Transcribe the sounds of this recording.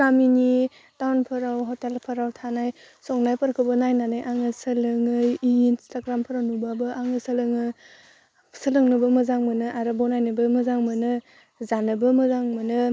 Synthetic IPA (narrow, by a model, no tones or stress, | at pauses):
ɾamini | tawnpʰɯɾawɦɔtelpʰɐɾawtʰanaj | sɔŋnajpɐɾkʰɯbɯnajnanajʔaŋɯsəlɯŋɯjinstaɡɾampʰəɾawnubabɯʔaŋɯsəlɯŋɯ | səlɯŋnɯbɯmɐzaŋmɯnɯʔaɾɯbownajnɯbɯmɐzaŋmɯnɯ | zanɯbɯmɐzaŋmɯnɯ